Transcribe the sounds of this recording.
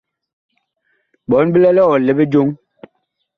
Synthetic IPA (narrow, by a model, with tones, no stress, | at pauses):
ɓɔ˨˦nbi˦lɛ˦lɛ˦ɔ˨le˦be˦d͡ʒo˦ŋ